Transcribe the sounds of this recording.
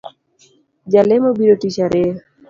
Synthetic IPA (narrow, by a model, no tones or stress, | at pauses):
d͡ʒalemobiɾoʈiʃaɾe